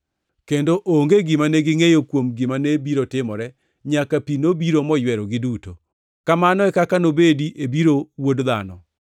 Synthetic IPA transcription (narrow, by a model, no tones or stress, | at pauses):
kendoʔoŋɡeɡɪmanɛɡɪŋejokwomɡɪmanebiɾotɪmɔɾɛ | ɲakapinobiɾomɔjwɛɾɔɡɪduto | kamanɔɛkakanobediʔebiɾowodða̰nɔ̰